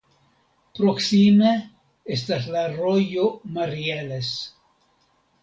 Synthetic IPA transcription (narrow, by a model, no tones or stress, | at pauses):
pɾoksime | est̪aslarojomaɾieles